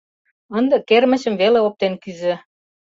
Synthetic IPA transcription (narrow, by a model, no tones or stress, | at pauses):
ə̆nd̪ɤ̆kermə̆t͡ɕə̆mveleop̚t̪enkyzĕ